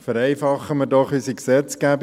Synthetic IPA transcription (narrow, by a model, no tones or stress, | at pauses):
fəɾɛɪfɑχəməɾdɔχysiksɛt͡sɡ̥æːb